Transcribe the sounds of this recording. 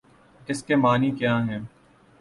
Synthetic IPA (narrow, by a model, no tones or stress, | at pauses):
ɪskemaːnikjãːɦɛ̃ː